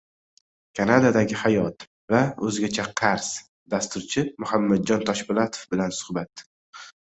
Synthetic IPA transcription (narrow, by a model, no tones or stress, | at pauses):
kʲʰanad̪ad̪aɡʲɪhajɒt̪ | vaɵzɪɡʲat͡ʃʰaqʰaɾs | d̪ast̪ʊɾt͡ʃʰɪmʊhamːad̪̚d͡ʒɒnt̪ʰɒʃbɪlat̪ʰo̥fbɪlansʊ̥hbat̪